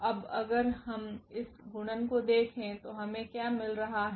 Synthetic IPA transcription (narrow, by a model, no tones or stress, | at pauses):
ɐbɐɡəɾɦɐmɪsɡʱuɳənkod̪eːkʰẽt̪oɦɐmẽkjaːmɪlɾɐɦaɦɛ